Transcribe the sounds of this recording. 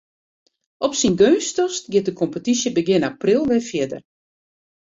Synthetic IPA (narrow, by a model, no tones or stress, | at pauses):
ʔɔpsinɡøːstɔstɡɪt̚dəkʰɔmpətisjəbəɡɪnaprilˠʋɪfjɪdə̰r